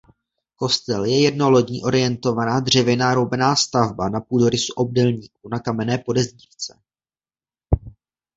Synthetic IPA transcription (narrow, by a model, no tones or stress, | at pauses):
ko̞st̪ɛljɛjɛdno̞lo̞dɲḭːʔo̞ɾɪjɛnt̪o̞vanaːd̪r̝ɛvɪnaːɾowbɛnaːst̪avbanapuːdo̞ɾɪsuʔob̚dɛlɲiːk̚unakamɛnɛːpo̞dɛzɲiːft͡sɛ̥